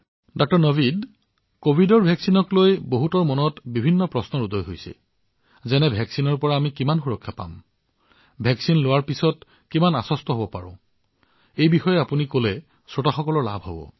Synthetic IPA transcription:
dɔk̚tɔɹnɔbid | kobʱidɔɹbʱɛksinɔklojboɦutɔɹmɔnɔtbibʱinːɔpɹɔsnɔɹudɔjɦojsɛ̰ | zɛnɛbʱɛksinɔɹpɔɹaːmikimanxuɹɔkʰːapa̰m | bʱɛksinlowaɹpisɔt | kimana̰sɔstɔɦobɔpa̰ɹʊ̰̃ | ejbixɔjɛapunikolɛ | sɹotaxɔkɔlɔɹla̰bʱɦo̰bɔ̰

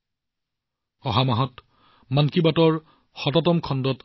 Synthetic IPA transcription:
ɔɦamaɦɔt | mankibatɔɹ | xɔtɔtɔmkʰɔndɔt

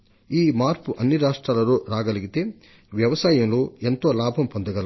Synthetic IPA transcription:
iːmaːɾpuʔɐnːiɾaːʂʈɾaːlɐɾoːɾaːɡɐlɐɡit̪e̞ː | ʋjɐʋɐsaːjɐmloːent̪oːlaːbʱɐmpond̪ɐɡɐl

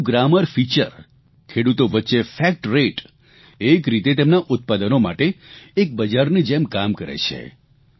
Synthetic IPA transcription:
ɡɾaməɾfit͡ʃə̰ɾ | kʰeɽut̪oʋətːʃefɛk̚ʈɾeʈ | ekɾit̪et̪emnaʔʊt̪̚pad̪ənoma̰ʈeːk̚bəd͡ʒaɾnid͡ʒemkamkəɾḛt͡ʃʰḛ

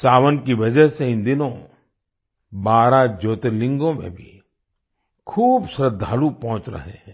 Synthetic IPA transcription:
t͡ʃaːʋənkiʋɐd͡ʒəɦseɪ̃nd̪ɪnõ | baːɾad͡ʒoːt̪elɪ̃ŋɡõmḛ̃bʱḭ | kʰuːbsɾəd̪ʱaːlupɔ̃ɦʊ̃t͡ʃɾɐ̰ɦẽɦɛ̃ː

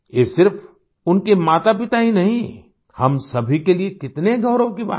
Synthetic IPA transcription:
jeːsɪɾf | ʊnkemaːt̪apɪt̪aɦinɐɦĩ | hɐmsɐbʱikeliekɪt̪neɡʱɐʊɾõkiba̰ː

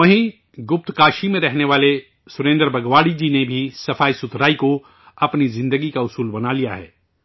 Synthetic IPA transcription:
ʋɐɦĩ | ɡʊp̚t̪kaːʃimẽɾɛɦneʋaːle | sʊɾẽːnd̪əɾbɐɡʋaːɽid͡ʒiːnebʱisɐfaːisʊt̪ɾaːiko | ɐpnizɪ̃nd̪əɡikaʊsuːlbɐnalija̰ɦɛ̰ː

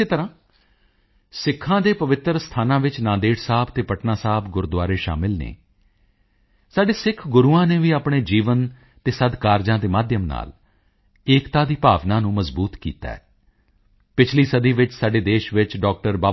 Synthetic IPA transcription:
eːt̪əɾãː | sɪkʰːãːd̪eːpəʋɪt̪ɾəst̪ʰaːnãːʋɪt͡ʃnãːd̪eːʈsaːbt̪eːpəʈnaːsaːbɡʊɾd̪ʊaːɾeːʃa̰ːmɪlnḛː | saːɖeːsɪkʰɡʊɾuːãːneːʋiːaːpɳeːd͡ʒiːʋən | t̪eːsəd̪kaːɾd͡ʒãːd̪eːmaːd̪jəmna̰ːl | eːkt̪ãːd̪iːpaːʋnãːnũːməzbuːt̪kḭːt̪a̰ːɛː | pɪt͡ʃʰliːsəd̪iːʋɪt͡ʃsaːɖeːd̪eːʃʋɪt͡ʃɖɔːk̚ʈəɾbaː

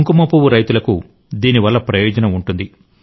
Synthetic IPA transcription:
ŋkumɐpuʋuɾɐjt̪ulɐku | d̪iːniʋɐlːɐpɾɐjɔːd͡ʒɐnɐmuɳʈund̪i

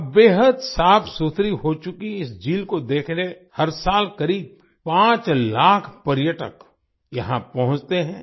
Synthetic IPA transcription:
beːɦəd̪saːpʰsut̪ʰɾiɦot͡ʃʊkiɪsd͡ʒiːlkod̪eːkʰne | hɐɾsaːlkɐɾiːb̚ | pãːt͡ʃlaːkʰpɐɾjəʈə̰k | jɐɦãpɐɦʊ̃t͡ʃt̪eɦɛ̃ː

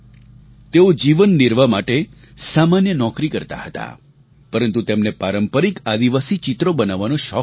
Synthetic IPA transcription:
t̪eod͡ʒiʋənːiɾʋamaʈe | samanjənɔkɾikəɾt̪a̰hət̪a̰ | pəɾənt̪ut̪emnepaɾəmpəɾikad̪iʋasit͡ʃit̪ɾobənaʋːanũʃɔ

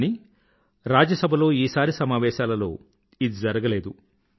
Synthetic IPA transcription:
ni | ɾaːd͡ʒjɐsɐbʱɐlo̞ːiːsaːɾisɐmaːʋɛːʃaːlɐlo̞ː | id̪id͡ʒɐɾɐɡɐleːd̪u

